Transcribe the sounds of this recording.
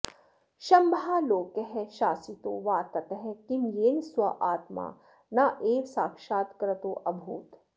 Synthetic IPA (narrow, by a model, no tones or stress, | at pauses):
ʃɐmbʱaːloːkəɦɛʃaːsit̪oːʋaːt̪ɐt̪ɦɛkimjeːnswɐʔaːt̪ma̰ː | naʔeːʋsaːkʃaːt̪kɐɾɐt̪oːʔɐbʱuːt̪